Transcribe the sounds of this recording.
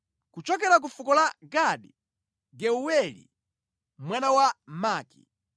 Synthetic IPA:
kut͡ʃɔk̬ɛɾak̬ufukɔlaɡaɗi | ɡɛuwɛlḭ | mwanawamaːkḭ

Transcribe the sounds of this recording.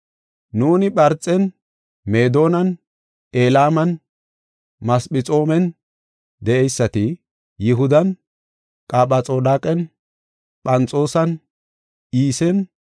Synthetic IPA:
nuːnɪɓɐɾt͡sʼːɛn | me̞ːd̪o̞ːnɐn | eːlaːmɐn | mɐsɓɪt͡sʼo̞ːmɛn | d̪ɛʔɛjsːɐt̪ɪ | jɪɦʊd̪ɐn | kʼaːɓɐt͡sʼo̞ːd̪aːkʼɛn | pʼɐnt͡sʼo̞ːsɐn | ʔiːsɛn

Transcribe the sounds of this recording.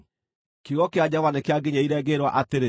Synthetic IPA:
kiɣɔkead͡ʑavanekeaɡeɲaiɾɛːɡeɾwa̰ʔateɾe

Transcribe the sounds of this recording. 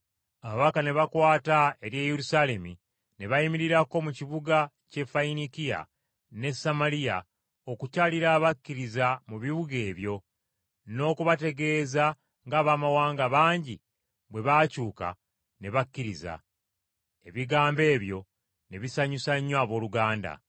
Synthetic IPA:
aβaβakane̞βakwaːtae̞ɾje̞ːjeɾusale̞mi | ne̞βajimiɾiɾako̞muciβuɡa | ce̞fainikija̰ | ne̞samalija̰ | o̞kucaliɾaːβakːiɾizamuβiβuɡe̞ːβjo̞ | no̞ːkuβate̞ɡe̞ːza | ŋɡaːβaːmawaːŋɡaβaːɲɟi | βwe̞βaːcuːka̰ | ne̞βakːiɾiza̰ | e̞βiɡaːmbe̞ːβjo̞ | ne̞βisaɲusaɲːwaːβo̞ːluɡaːnda̰

